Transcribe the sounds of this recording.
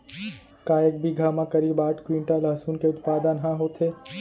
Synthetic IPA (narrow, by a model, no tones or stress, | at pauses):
kaːjek̚bʱiɡʱaːmãkɐɾiːbaːʈkɾiːɳʈalɐɦsuːnkeʊt̪paːd̪ãnɦãɦoːt̪ʰeː